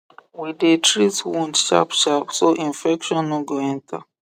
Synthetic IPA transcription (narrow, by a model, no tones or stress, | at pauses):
widetɹitwɔ̃ntʃa̰pʃapsoʔĩnfɛkʃɔ̃nːoɡoɛ̃ntʰa